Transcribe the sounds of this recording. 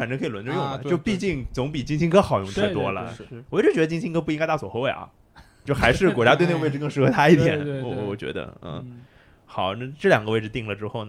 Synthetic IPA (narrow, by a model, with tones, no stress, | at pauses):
fa˨˩nʈ͡ʂɤ˥ŋkʰɤ˧˥˨wə˧˥nʈ͡ʂo˥˧jʊ˥˩lə̰˨˩t͡ɕjo˥˧ʊpi˥˧t͡ɕi˥˩ŋt͡sʊ˧˥ŋpi˨˩t͡ɕi˥ŋɕʰi˥ŋkʰɤ˥xɑ˨˩ʊjʊ˥˧ŋt̪ʰa˥˩˧t̪wɔ˥lə̰˨wɔ˨˩˥ʈ͡ʂɻ̩˥t͡ɕɥɛ˧˥ə˧t͡ɕi˥ŋt͡ɕʰɕi˥ŋkʰɤ˥pu˥˧˥ŋka˥t̪a˥˩wɔ˨˩xo˧˥ʊwe˥˩ɪʔɐ̰˧˩ | t͡ɕjo˥˩ʊxa˧˥ɪʂɻ̩˥˩kɔ˨˩t͡ɕja˥t̪we˥˧ɪn˥˧˩we˥˧ɪɻ̩˧˥kɤ˥˩ŋʂɻ̩˧˥xɤ˥˧t̪ʰa˥i˥˩t̪̬jɛ̰˨˩˦n˧˩˥wɔ˨˩t͡ɕɥɛ̰˧˥d̪ə̰˧n̩̰˥˩ | xɑ˨˩˦ʊna˥˧ʈ͡ʂɤ˥˩ljɑ˨˩ŋɡə˦we˥˧ɪʈ͡ʂ̩˧t̪i˥˩ŋlə˩ʈ͡ʂɻ̩˥xo˥˩ʊnə˩